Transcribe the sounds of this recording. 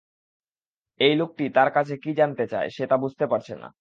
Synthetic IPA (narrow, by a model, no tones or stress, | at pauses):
ejlok̚ʈit̪aɾkat͡ɕʰekid͡ʑant̪et͡ɕa̰eʃet̪abud͡ʑʱt̪epaɾt͡ɕʰena̰